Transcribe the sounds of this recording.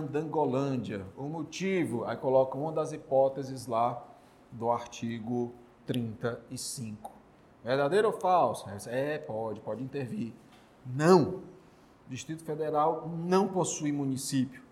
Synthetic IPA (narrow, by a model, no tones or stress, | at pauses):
d̪ɐ̃ɡolɐ̃d͡ʒiɐʊmot͡ʃivʊakolɔkɐũmɐd̪ɐzipɔt̪ezɪzla | d̪ʊaɾt͡ʃiɡʊ | t̪ɾĩnt̪ɐɪsĩkʊ̥ | veɾd̪ad̪ejɾʊfawsɛsɛpɔd͡ʒɪpɔd͡ʒɪĩnt̪eɾviɾ | nɐ̃w̃ | d͡ʒiʃt̪ɾit̪ʊ̥fed̪eɾawnɐ̃w̃posujmũnisipjʊ